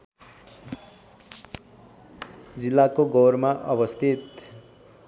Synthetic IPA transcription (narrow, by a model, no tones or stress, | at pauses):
d͡zilːakoɡoɾmaʔʌbʌst̪ʰit̪